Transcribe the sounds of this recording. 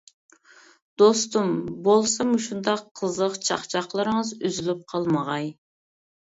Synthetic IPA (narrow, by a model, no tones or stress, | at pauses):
d̪̥ost̪umbolˠsɑmuʃund̪ɑqʰːəzəqt͡ʃʰɑ̰χt͡ʃʰɑχlˠɨɾɨŋəzyzylyp̚qʰɑlˠməʁɑj